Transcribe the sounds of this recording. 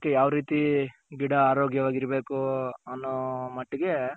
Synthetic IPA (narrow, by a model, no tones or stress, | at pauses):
kːejaːʋɾiːt̪iɡiɽɐːɾoːɡjɐʋaːɡiɾɐbe̞ːkuɐnːoːmɐʈːiɡe̞